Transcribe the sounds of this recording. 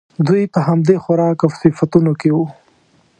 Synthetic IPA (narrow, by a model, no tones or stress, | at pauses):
d̪ujpəɦamd̪exaɾɑːkawsɪfat̪unokewu